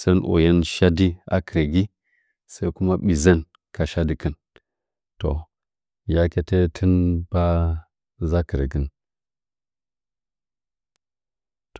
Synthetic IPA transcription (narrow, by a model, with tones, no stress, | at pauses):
sa˦nʔo̰˨ja˦nʃa˦di˦a̰˦kə˨ɾe˨ɡi˦ | sa˦i˦ku˦ma˦ɓi˨za˦n | ka˨ʃa˦di˨kə˦n | to˨ | ja˦ke˦te˦tʰə˦nb̥a˦ | za˦kə˨ɾḛ˨ɡə˦n | t